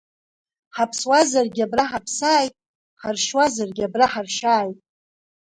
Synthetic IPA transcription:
ħapʰswazarɡʲabraħapʰsaːjtʼ | ħarʃwazarɡʲabraħarʃaːjtʼ

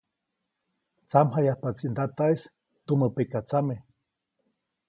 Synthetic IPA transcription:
t͡samɦajahpat͡sind̪at̪aes | t̪uməpekat͡same

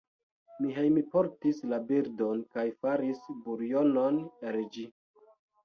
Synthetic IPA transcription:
miɦejmipo̞ɾtislabiɾdo̞nkajfaɾisbuɾjo̞no̞neld͡ʒi

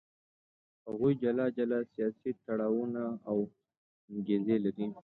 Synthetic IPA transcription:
haɣujd͡ʒalɑd͡ʒalɑsijɑsit̪aɽɑwunaːw | ŋɡezelaɾi

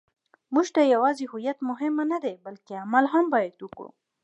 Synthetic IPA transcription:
muʒt̪ajawɑzeɦʊjat̪mʊɦɪmanad̪ebalkeamalɦambɑjad̪wukɽṵ

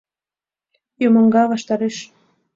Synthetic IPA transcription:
jomɤ̆ŋɡɑβɑʃt̪ɑɾeʃ

